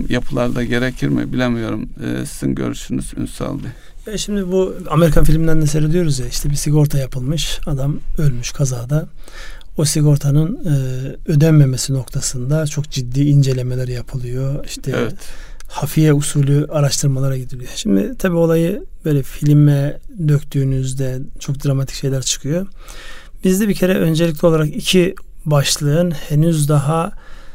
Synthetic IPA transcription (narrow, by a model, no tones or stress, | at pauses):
japʰɯlˠaɾd̪aɟe̞ɾecʰiɾmɪ̰bilʲemijo̞ɾumɯ̰ːsizḭnɟø̰ɾyʃynyzy̰nsa̰lˠd̪ɯ | jaʃimd̪ibuameɾikʰanfilʲmind̪ænd̪ɛseɾed̪ijo̞ɾuzjaiʃt̪ʰɛbisiɡo̞ɾt̪ʰajapʰɯlˠmɯʃad̪amø̞lʲmyʃkʰazaːd̪a | osiɡo̞ɾt̪ʰanɯnɯːød̪ænme̞mesino̞kt̪ʰasɯnd̪at͡ʃʰo̞kd͡ʒid̪ːiːind͡ʒe̞lʲe̞melʲæɾjapʰɯlˠɯjo̞iʃt̪ʰɛɛt̪hafijɛusuːlʲuʔaɾaʃt̪ʰɯɾmalˠaɾaɟid̪ilʲijoʃimd̪ɪ̰t̪ʰabiːo̞lˠajɯb̥ø̞ːlʲɛfilʲmɛd̪økt̪ʰyːnyzd̪ɛt͡ʃʰo̞k̚d̪ɾamat̪ʰi̥cʃe̞jlʲæɾt͡ʃʰɯ̥kʰɯjo̞ | b̥izd̪ɛbicʰe̞ɾɛʔø̞nd͡ʒelʲic̬lʲɛo̞lˠaɾakicʰibaʃlˠɯɯnhenyzd̪aɦa